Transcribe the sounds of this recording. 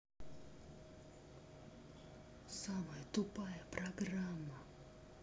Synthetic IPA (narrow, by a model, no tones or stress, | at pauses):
samajɛt̪upajapɾaɡɾama